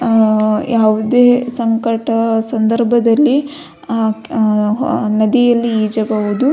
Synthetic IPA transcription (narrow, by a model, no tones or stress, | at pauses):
jaːʋud̪eːsɐŋkɐʈɐsɐnd̪ɐɾbʱɐd̪ɐlːi | nɐd̪ijɐlːiiːd͡ʒɐbɐʋud̪u